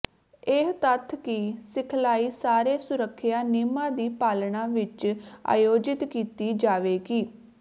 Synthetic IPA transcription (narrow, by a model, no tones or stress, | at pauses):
eɦt̪ət̪ʰːkisɪkʰlaːiːsaːɾeːsʊɾəkʰːɪjaːnɪmãːd̪iːpaːlɳãːʋɪt͡ʃa̰ːjoːd͡ʒɪt̪kiːt̪iːd͡ʒaːʋeːɡiː